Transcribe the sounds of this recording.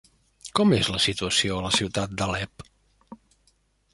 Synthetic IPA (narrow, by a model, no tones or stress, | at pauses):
kɔmezləsit̪uəsioələsiwt̪at̪̚d̪əlɛp